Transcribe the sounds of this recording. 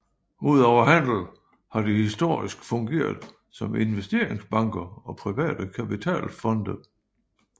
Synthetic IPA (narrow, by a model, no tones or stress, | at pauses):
uð̞̰ˠɒʊɐɦæn̰l̩ | hɑ̈d̥ihisd̥o̝ɐ̰isɡ̥fɔ̽ŋɡ̥e̝̰ːɐðˠ | sɒ̽me̝nʋesd̥e̝ɐe̝ŋsb̥ɑ̈ŋɡ̥ɐɒ̽pʰʁiʋɛ̰ːd̥əkʰæpit͡sʰɛ̰ːlfɒ̽nd̥ə